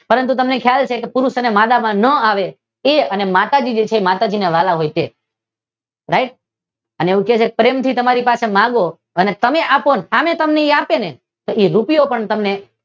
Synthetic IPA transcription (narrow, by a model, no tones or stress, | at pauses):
pəɾənt̪̬ut̪əmnekʰjalt͡ʃʰekepʊɾuʃənemad̪amãnəaʋe | eənemat̪ad͡ʒid͡ʒet͡ʃʰemat̪ad͡ʒineʋalaɦojt̪e | ɾaiʈ̚ | əneeũket͡ʃʰekepɾemt̪ʰit̪əmaɾipasemãɡo | ənet̪əmeʔaponhamet̪əmneiapene | t̪oiɾupijopəɳt̪əmne